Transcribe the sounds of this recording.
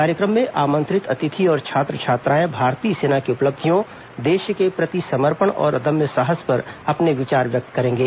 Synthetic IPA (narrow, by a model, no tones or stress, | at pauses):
kaːɾjəkɾəmːẽʔaːmə̃nt̪ɾɪt̪ɐt̪ɪt̪ʰiɔːɾt͡ʃʰaːt̪ɾət͡ʃʰaːt̪ɾãːẽbʱaːɾt̪iːseːnakiʊpləb̚d̪ʱijõ | d̪eːʃkepɾɐt̪isɐməɾpəɳɔ̰ːɾʔɐd̪əmjəsaɦəspɐɾɐpneʋɪt͡ʃaːɾʋjɐk̚t̪kɐɾẽːŋɡeː